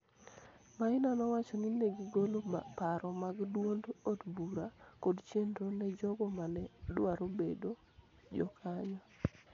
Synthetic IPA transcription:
maɪnanɔwat͡ʃɔninɛɡiɡolopaɾɔmaɡdwondotbuɾakodt͡ʃjendonɛd͡ʒɔɡɔmanɛdwaɾobedo | d͡ʒɔ̰kʰaɲɔ

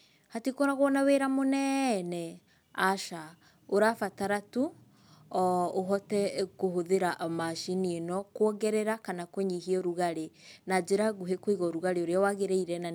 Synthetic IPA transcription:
hatikoɾaɣwɔnaweɾamonɛnɛ | aʃa | oɾafataɾatu | oɦɔtɛkoɦoðeɾaʔmaʃinienɔkwɔɡɛɾɛɾakanakoɲihiɔɾuɣaɾenad͡ʒeɾaɣuɦekwiɣɔɾuɣaɾeoɾeawaɣeɾeiɾɛna

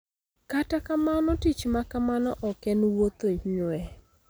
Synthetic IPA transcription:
katakamanɔtit͡ʃmakamanɔʔɔkɛnwot̪oɲɛ

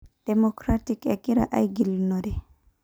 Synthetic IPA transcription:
d̥ɛmɔkɾatikakiɾa̰ʔajɡilnɔdɛ

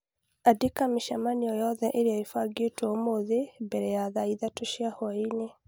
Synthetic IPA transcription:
adikamiʃamanijɔjɔðɛʔeɾeaifaɡetwomoðembɛɾɛjaðaiðatoʃiahɔine

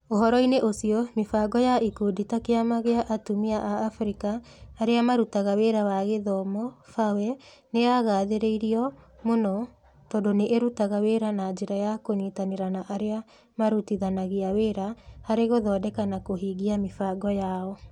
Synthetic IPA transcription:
oɦɔɾɔineʔosiɔmefaɡɔjaʔikoditakeamaɣeaʔatumiaʔaːfɾikaːɾeamaɾutaɣaweːɾawaɣeðɔmɔfawɛ | neaɣaːðeɾeiɾiɔmonɔ | tɔdoneʔːɾutaɣaweːɾanad͡ʒeɾajakonetaneɾanaʔaɾea | maɾutiðanaɣeaweːɾahaɾeɣoðɔdɛkanakoɦiɣiamefaɡɔjaɔ

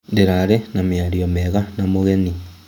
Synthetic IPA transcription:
ndeɾaɾɛnameaɾiomɛɣanamoɣeni

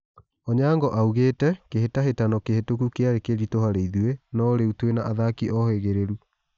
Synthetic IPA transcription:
ɔɲaːŋɡɔʔauɣeːtɛkeɦetaɦetanɔkehetokukeaɾekeɾitoɦhaɾeiðuenɔoɾeutwenaʔaðakiʔɔheɣeɾeɾu

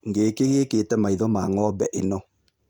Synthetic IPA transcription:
ŋɡeːkeɣeketɛmaiðɔmaŋɔbɛʔenɔ

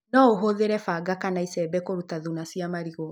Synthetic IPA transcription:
nɔoɦoðeɾɛfaɡakanaisɛbɛkoɾutaðunasiamaɾiɣɔ

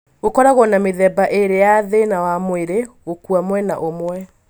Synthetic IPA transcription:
ɣokɔɾaɣɔnameðɛbaʔeɾejaðenawamoeɾeɣokwamwɛnaʔomwɛ

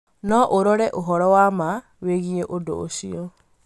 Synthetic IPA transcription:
nɔʔoɾɔɾɛʔoɦɔɾɔwama | weɣieʔodo̰o̰ʃiɔ

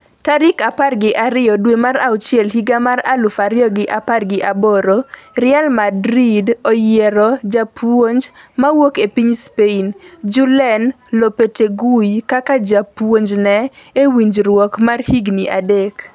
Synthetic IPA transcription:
taɾɪkaparɡɪʔaɾɪjɔdwemaɾawt͡ʃjɛlɦiɡamaɾalʊfaɾɪjɔɡɪʔaparɡɪʔabɔɾoɾɪalmadɾidɔjɛɾɔd͡ʒapwoɲd͡ʒmawokepiɲspeind͡ʒʊlɛn | lopeteɡujkakad͡ʒapwoɲd͡ʒnɛewiɲd͡ʒɾwɔkmarhiɡniʔadek

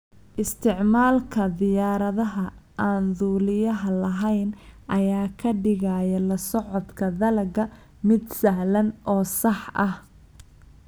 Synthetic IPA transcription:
ʔɪst̪ʰɪʕmaːlkʰɐðɪjaːɾɐðɐɦɐʔaːnðuːlɪjɐɦɐlɐɦɛjnʔɐjaːkʰɐɖɪɣajɐlɐsɔʕɔd̪kʰɐðɐlɐɡɐ | mɪd̪sɐɦlɐnʔɔːsɑħʔɐh

